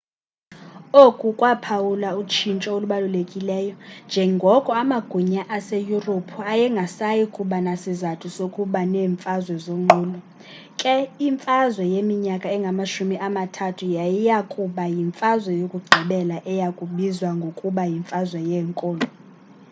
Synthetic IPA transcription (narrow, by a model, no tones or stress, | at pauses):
okʼukʼwapʰawulaut͡ʃʰint͡ʃʼɔoluɓalulekʼilɛːjɔnd͡ʒʱɛŋɡʱɔkʼɔamaɡ̥ʱuɲaʔasejuropʰuajɛŋɡʱasajikʼuɓanasizatʰusokʼuɓaneːɱfʼazwɛzoŋ͡ǃuːlɔ | kʼɛiɱfʼazwɛjemiɲakʼaɛŋɡʱamaʃumiʔamatʰatʰujajijakʼuɓajiɱfʼazwɛjokʼuɡ͡ǀʱiɓɛlaʔɛjakʼuɓizwaŋɡʱokʼuɓajiɱfʼazwɛjɛːŋkʼɔːlɔ